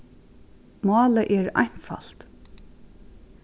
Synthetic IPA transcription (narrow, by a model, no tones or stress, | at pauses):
mɑːləʔɛɹa̰jn̥fa̰l̥t̪